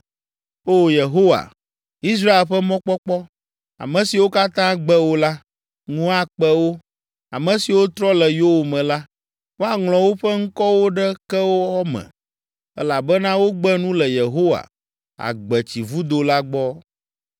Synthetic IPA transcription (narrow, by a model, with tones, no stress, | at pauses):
o˦˨je˨ɦo˦wa̰˨ | i˦s̬ɾa˦e˨lɸɛ˦mɔ̃˦k͡pɔ˦k͡pɔ˦ | a̰˨mɛ̃˨si˨wo˦ka˦t̪ã˦ɡ͡bɛ˦wo˦la˦ | ŋũ˦a˨k͡pɛ˦wo˦ | a˨mɛ̃˨si˨wo˦t̪ɾɔ˦lɛ˨jo˦o˨mɛ̃˨la˦ | wo˦a˨ŋlɔ̃˨wo˦ɸɛ˦ŋ̩˦kɔ˦wo˦ɖɛ˦kɛ˦wo˦ɔ˦mɛ̰̃˨ | ɛ̰˦la˨bɛ˦nã˦wo˦ɡ͡bɛ˦nũ˦lɛ˨je˨ɦo˦wa̰˨ | a̰˨ɡ͡bɛ˨t͡ɕi˨vu˦d̪o˨la˦ɡ͡bɔ˦